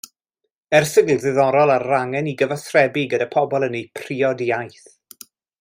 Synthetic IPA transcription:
ɛrsɪɡlðɨðɔɾɔlˠarːaŋɛniɡəvasrɛbiɡədapʰɔbɔlˠənejpʰriɔdiajθ

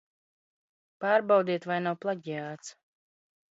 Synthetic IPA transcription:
paːɾbawd̪iɛt̪vajnawplˠaɟʲiaːt̪s

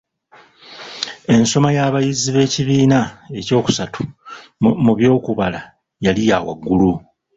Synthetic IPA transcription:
e̞nso̞majaːβajiziβe̞ːciβiːnae̞co̞ːku̥satʰu̥ | muβjo̞ːkuβala | jalijaːwa̰ɡːulu

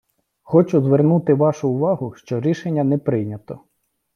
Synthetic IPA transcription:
xɔt͡ʃʊzʋernut̪ɪʋɑʃʊːʋɑɦʊʃt͡ʃɔɾʲiʃenʲːɐnɛpɾɪjnʲɐt̪ɔ

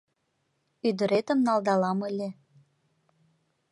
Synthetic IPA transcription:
yd̪ə̆ɾet̪əmnɑld̪ɑlɑməlʲe

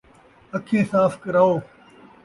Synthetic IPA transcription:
əkʰẽːsaːfkəɾaːoː

